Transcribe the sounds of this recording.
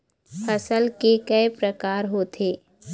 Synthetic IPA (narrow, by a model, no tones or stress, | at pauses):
pʰɐsəlkekɛepɾəkaːɾɦoːt̪ʰeː